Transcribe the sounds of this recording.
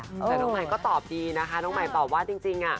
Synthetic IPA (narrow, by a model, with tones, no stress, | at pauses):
ʔɤɛː˨˩˧nɔː˦˧˥ŋma˨˧˩kɔː˥˩t̪ɔː˨˩p̚diː˧na˦˥kʰa˦˥nɔː˦˥ŋma˨˩˦jbɔː˨˩k̚waː˥˩t͡ɕi˧ŋt͡ɕi˧ŋʔa˨˩